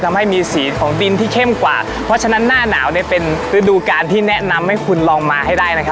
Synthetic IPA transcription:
t̪ʰa˧mha˥˩jmiː˧siː˩˦kʰɔː˩˦ŋdi˧nt̪ʰiː˥˩kʰe˥˩mkwa̰ː˨˩ | pʰɾɔ˦˥t͡ɕʰa˧na˦˥nːaː˥˩na̰ː˩˦wni˥˩ɐpe˧nɾɯ˦˥duː˧kaː˧nt̪ʰiː˥˩nɛ˦˥na˧mha˥˩jkʰu˧nlɔː˧ŋmaː˧ha˥˩jdaː˥˩jna˦˥kʰa˦˥

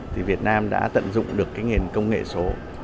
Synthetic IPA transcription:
t̪ʰi˨˩vi˨˩ət̚naː˧mɗa̰ː˧˥t̪ə̰˧˨nzʊ̰˧˨ŋ͡mɗɨ˨˩əkːaː˨˦jŋi˨˩ənkə˧wŋ͡mŋḛ˧˨so˨˦

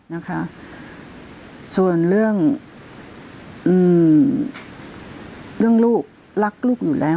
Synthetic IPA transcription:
na˦˥kʰa˦˥ʔ | su˨˩ənlɯ˥˩əŋ | ʔɯː˨˩ | lɯ˥˩əŋluː˥˩k̚ | la˦˥k̚luː˥˩k̚juː˨˩lʔɛː˦˥

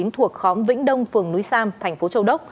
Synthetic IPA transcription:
i˨˦ənt̪ʰu˨˩ək̚xɔ˨˦mvḭ̈˧˥ŋ̟ɗə˧wŋ͡mfɨ˨˩əŋnu˨˦jsaː˧mt̪ʰɛ˨˩jŋ̟fo˨˦t͡ɕə˧wɗə˦˥k͡p̚

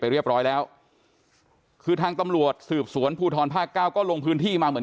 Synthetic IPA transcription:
a˧jɾi˥˩əp̚ɾɔː˦˥jlɛː˦˥w | kʰɯː˧t̪ʰaː˧ŋt̪a˧mɾu˨˩ət̪̚sɯː˨˩p̚su˩˦ənpʰuː˧t̪ʰɔː˧npʰaː˥˩kːaː˥˩wkɔː˥˩lo˧ŋpʰɯː˦˥nt̪ʰiː˥˩maː˧mɯ˩˦ə˦

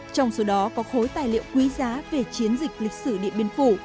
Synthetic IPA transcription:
t͡ɕɔ˧wŋ͡mso˨˦ɗɔ˨˦kɔ˨˦xo˨˦jt̪aː˧˩jlḭ˧˨əwkwi˨˦zaː˨˦ve˨˩t͡ɕi˨˦ənzï˨˩k̟̚lï˨˩k̟̚sɨ˧˩ɗḭ˧˨ənɓi˧ənfu˧˩

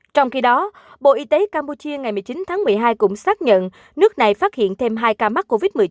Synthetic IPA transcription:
t͡ɕɔ˧wŋ͡mxi˧ɗɔ˨˦ | ɓo̰˧˨ʔi˧t̪e˨˦kaː˧mpu˧t͡ɕi˧əŋa˨˩jm˨˩əjt͡ɕi˨˦nt̪ʰaː˨˦ŋmɨ˨˩əjɦaː˧jkʊ̰˧˥ŋ͡msaː˦˥k̚ɲə̰˧˨n | nɨ˦˥ək̚na˨˩jfaː˦˥t̚hḭ˧˨ənt̪ʰe˧mɦaː˧jkaː˧ma˦˥k̚kːo˧vi˦˥t̚mɨ˨˩ə˩

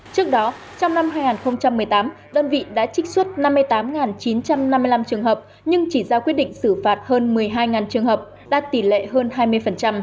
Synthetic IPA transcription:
t͡ɕɨ˦˥ək̚ɗɔ˨˦ | t͡ɕɔ˧wŋ͡mna˧mɦaː˧jŋaː˨˩nxə˧wŋ͡mt͡ɕa˧mːɨ˨˩əjt̪aː˨˦mɗəː˧nvḭ˧˨ɗa̰ː˧˥t͡ɕï˦˥k̟̚swə˦˥t̚na˧mːɨ˧əjt̪aː˨˦mŋaː˨˩nt͡ɕi˨˦nt͡ɕa˧mna˧mːɨ˧əjla˧mt͡ɕɨ˨˩əŋɦəː˨˩p̚ | ɲɨ˧ŋt͡ɕi˧˩zaː˧kwi˦˥ət̚ɗḭ˧˨ŋ̟sɨ˧˩faː˨˩t̚həː˧nmɨ˨˩əjɦaː˧jŋaː˨˩nt͡ɕɨ˨˩əŋhɦəː˨˩p̚ | ɗa̰ː˧˥t̪i˧˩lḛ˧˨ɦəː˧nɦaː˧jmɨ˧əjfə˨˩nt͡ɕa˧m

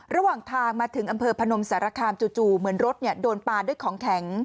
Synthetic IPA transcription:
ɾa˧waː˨˩ŋt̪ʰaː˧ŋmaː˧t̪ʰɯ˩˦ŋʔa˧mpʰɤː˧pʰa˧no˧msaː˩˦ɾa˧kʰaː˧mt͡ɕuː˨˩t͡ɕuː˨˩mɯ˩˦ənɾo˦˥t̪̚ni˥˩ɐdoː˧npaː˧du˥˩əjkʰɔː˩˦ŋkʰɛ˨˩˦ŋ

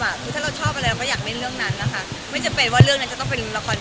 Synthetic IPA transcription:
a˨˩kʰɯː˧t̪ʰaː˥˩ɾa˧wt͡ɕʰɔː˥pʔa˧ɾa˧jla˧wkɔ˥˩jaː˨˩k̚me˥˩ɾɯ˥˩əŋna˦˥nːa˦˩kʰa˥˩ | ma˥˩jt͡ɕa˨˩mpe˧nwaː˥˩ɾɯ˥˩əŋna˦˥nt͡ɕa˨˩t̪ɔ˥˩ŋpe˧n˧la˧kʰɔː˧n

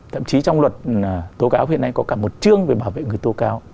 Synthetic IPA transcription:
t̪ʰə̰˧˨mt͡ɕi˨˦t͡ɕɔ˧wŋ͡mlwə˨˩t̚t̪o˨˦kaː˨˦wɦi˧˨əna˧jkɔ˨˦kaː˧˩mo˨˩t̚t͡ɕɨ˧əŋve˨˩ɓaː˧˩wvḛ˧˨ŋɨ˨˩əjt̪o˨˦kaː˨˦w

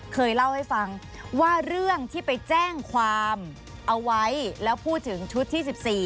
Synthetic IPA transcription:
kʰɤː˧jla˥˩wha˥˩jfa˧ŋ | waː˥˩ɾɯ˥˩əŋt̪ʰiː˥˩pa˧jt͡ɕɛː˥˩ŋkʰwaː˧m | ʔa˧wwa˦˥jlɛː˦˥wpʰuː˥˩t̪ʰːɯ˩˦ŋt͡ɕʰu˦˥t̪ʰːiː˥˩s̬i˨˩p̚siː˨˩

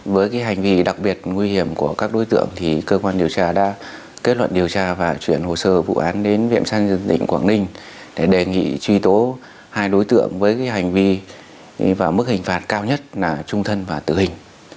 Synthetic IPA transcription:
vəː˨˦jkaː˨˦jɦa˨˩jŋ̟vi˧ɗa˨˩k̚ɓi˨˩ət̚ŋwi˧hi˧˩əmku˧˩əkaː˦˥k̚ɗo˨˦jt̪ɨ̰˧˨əŋt̪ʰi˨˩kəː˧kwaː˧nɗi˨˩əwt͡ɕaː˧ɗa̰ː˧˥ | ke˦˥t̚lwə̰˧˨nɗi˨˩əwt͡ɕaː˧vaː˨˩t͡ɕwi˧˩ənho˨˩səː˧vṵ˧˨ʔaː˨˦nɗe˨˦nvḭ˧˨əmsaː˧ŋzɨ˨˩nt̪ḭ̈˧˨ŋ̟kwaː˧˩ŋnï˧ŋ̟ | ɗe˧˩ɗe˨˩ŋḭ˧˨t͡ɕwi˧t̪o˨˦ | haː˧jɗo˨˦jt̪ɨ̰˧˨əŋvəː˨˦jkaː˨˦jɦa˨˩jŋ̟vi˧ | vaː˨˩mɨ˦˥k̚hï˨˩ŋ̟faː˨˩t̚kaː˧wɲə˦˥t̚laː˨˩t͡ɕʊ˧ŋ͡mt̪ʰə˧nvaː˨˩t̪ɨ˧˩hï˨˩ŋ̟

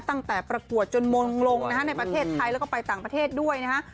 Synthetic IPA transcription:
t̪a˥˩ŋt̪ɛː˨˩pɾa˧ku˨˩ət̪̚t͡ɕo˧nmo˧ŋlo˧ŋna˦˥kʰa˦˥na˧jpɾa˧t̪ʰeː˥˩t̪ʰːa˧jlɛ˦˥wkɔː˥˩pa˧jt̪aː˨˩ŋpɾa˧t̪ʰeː˥˩t̪̚du˥˩əjna˦˥kʰa˦˥

